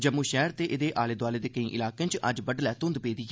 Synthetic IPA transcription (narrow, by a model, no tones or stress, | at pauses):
d͡ʒəmũːʃɛːɾt̪eːʔɪd̪eːʔaːleːd̪waːleːd̪eːkəĩːʔɪlaːkẽt͡ʃə̰d͡ʒbəɖlɛːt̪ʊ̃nd̪peːd̪iː